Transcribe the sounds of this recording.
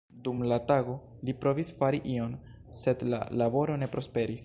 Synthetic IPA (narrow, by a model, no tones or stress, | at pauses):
dumlataɡo̞ | lipɾo̞visfaɾiʔio̞n | se̞dla̰labo̞ɾo̞ne̞pɾo̞spe̞ɾis